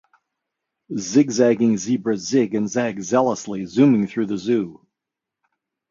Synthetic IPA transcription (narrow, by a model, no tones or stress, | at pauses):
zɪɡzæɡɪ̃ŋzibɹəzɪɡɨ̃nzæɡzɛlˠəslizʉ̃mɪ̃ŋθɹʉðɨzʉ